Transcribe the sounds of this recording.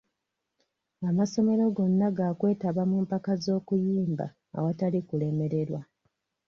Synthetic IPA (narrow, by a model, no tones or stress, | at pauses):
amaso̞me̞ɾo̞ɡo̞nːaɡakwe̞ːtaβamuːmpakazo̞ːkujiːmba̰ːwatalikule̞me̞ɾe̞ɾwa